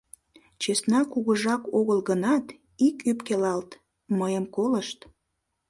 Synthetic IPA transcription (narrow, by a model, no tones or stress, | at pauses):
t͡ɕesnɑkuɣəʒɑkoɣəlɣənɑt̪ | ikypkelɑlt̪ | məjəmkoləʃt̪